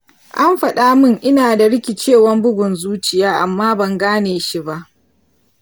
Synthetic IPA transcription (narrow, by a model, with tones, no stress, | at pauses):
ʔa˦mɸɐ˨ɗaː˦mɪ˦˨ŋʔɪ˦naː˨da˨ɽɪ˦kʲɪ˨t͡ʃeː˦˨wɐ˦mbʊ˦ɡʷʊ˨nzuː˦t͡ʃɪ˨jaː˦ʔa˨mːaː˦bɐ˨ŋɡaː˦neː˨ʃi˦ba˦ʔ